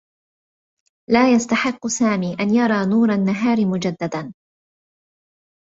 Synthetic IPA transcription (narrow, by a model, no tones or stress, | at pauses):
laːjast̪aħɪqːsaːmiːʔanjɑɾˤɑːnuːɾˤanːaɦaːɾɪmʊd͡ʒad̪ːad̪an